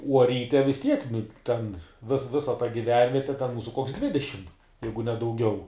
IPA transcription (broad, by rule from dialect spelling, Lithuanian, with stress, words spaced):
uɔ ˈrʲiːtʲɛ ʋʲɪs ˈtʲiɛk nʊ ˈtʲɛn ʋʲɪs ˈʋʲɪsɐ tɐ ɡʲɪˈʋʲɛnʲʋʲiɛtʲɛ tʲɛn ˈmuːsʊ koːks ˈdʲʋʲɪdʲɛʃʲɪm ˈjɛɪɡʊ nʲɛ dɐʊˈɡʲɛʊ